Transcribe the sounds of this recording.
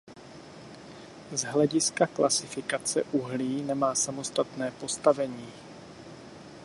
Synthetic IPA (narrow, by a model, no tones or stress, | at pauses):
zɦlɛɟɪskaklʔasɪfɪkat͡sɛ̰ʔuɦliːnɛmaːsamo̞st̪at̪nɛːpo̞st̪avɛɲiː